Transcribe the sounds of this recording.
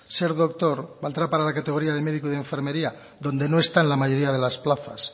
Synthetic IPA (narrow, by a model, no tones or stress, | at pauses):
se̞ɾðo̞k̚t̪o̞ɾbald̪ɾapaɾalakat̪e̞ɣoɾiaðe̞me̞ð̞ikuðe̞ɱfeɾme̞ɾia | ðo̞nd̪e̞no̞e̞st̪aenlamaʝo̞ɾiaðe̞lasplaθa̰s